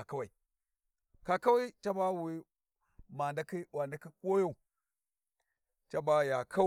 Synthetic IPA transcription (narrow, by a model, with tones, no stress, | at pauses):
a˨ka˦wa˨i˨ | ka˨ka˦wa˦i˦t͡ʃa˦ba˦wi˨ | ma˨nda˦ki˦wa˨nda˦ki˦ko˦jo˦u˨ | t͡ʃa˦ba˦ja˨kʰa˦